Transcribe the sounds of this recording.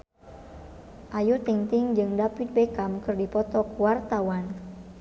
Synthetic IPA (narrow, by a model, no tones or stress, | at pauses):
ʔajut̪iŋt̪ɪŋd͡ʒɨŋdapit̪̚bekamkɨrdipɔt̪ɔkuwart̪awan